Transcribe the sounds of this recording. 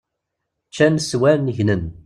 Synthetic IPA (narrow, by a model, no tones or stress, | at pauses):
t͡ʃːænswæɾnəʝnən